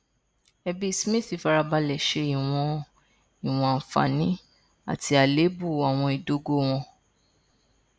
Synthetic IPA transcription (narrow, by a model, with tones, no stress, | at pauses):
ɛ˧bi˦˧smĩ˦˨θi˨˦fa˧ɾa˧ba˧lɛ˨ʃe˧i˨w̃ɔ̃˧ | i˨w̃ɔ̃˧˨fa̰˨˦nĩ˦ | a̰˦˨ti˧a˨le˨˦bu˦˨a˨w̃ɔ̃˧i˨do˧ɡo˧w̃ɔ̃˧